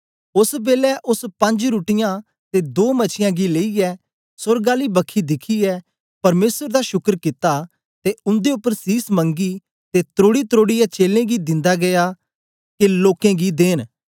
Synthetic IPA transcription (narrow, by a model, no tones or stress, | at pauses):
ʊsbeːlɛʔʊspɐ̃ɲd͡ʒɾuːʈɪjãː | t̪ed̪oːmɐt͡ʃʰɪjãːɡileːiɛː | sʊɾɡaːlibɐkʰid̪ɪkʰiɛː | pɐɾmeːsəɾd̪aːʃʊkəɾkɪt̪a | t̪eʊ̃nd̪eʊpːəɾsiːsmə̃ŋɡiː | t̪et̪ɾoːɽit̪ɾoːɽijɛt͡ʃeːlẽːɡid̪ɪ̃nd̪aɡɐjaː | keloːkẽɡid̪eːn